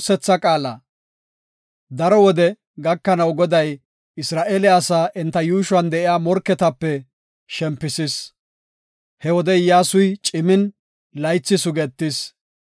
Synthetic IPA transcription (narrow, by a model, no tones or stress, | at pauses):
sɛt͡sːɐkʼaːlɐ | d̪ɐɾɔwɔd̪ɛ | ɡɐkːɐnɐwɡɔd̪ɐj | ɪsɾaːʔeːlɪɐsaːʔɛnt̪ːɐjuːʃwɐnd̪ɛʔɪjaːmɔɾkːɛt̪ɐpːɛ | ʃɛmpːɪsɪs | hɛwɔd̪ɛjaːsʊjt͡ʃʼɪmɪn | lɐjt͡sːɪsʊɡɛt̪ːɪs